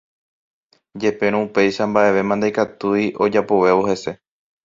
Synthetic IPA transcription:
d͡ʒe̞pẽ̞ɾ̃õupe̞jʃambaʔe̞ʋe̞mãnd̪ajkat̪uiʔo̞d͡ʒapo̞ʋe̞ʋo̞he̞se̞

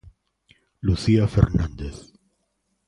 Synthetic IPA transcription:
luθiafḛɾnãnd̪eθ

